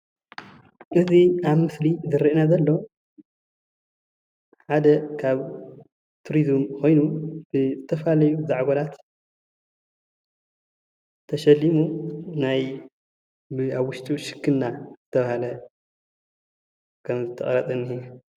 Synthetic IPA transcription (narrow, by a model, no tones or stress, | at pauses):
ʔɨziaβmɨslizɨɾiʔnazɐlːo | ħad̪ɐkʰaβ | t̪ʰuɾizmkʰo̞jnubɨzɨt̪ʰɐfɐlalɐjuzaʕɡolat̪ | t̪ʰɐʃɐlːimunaj | bɨaβwʊʃt̪ʼuʃɨ̥kʰːɨnːazɨt̪ʰɐβahalɐ | kʰɐmzɨt̪ʰɐχʼɐɾɐt̪ʼɐnːi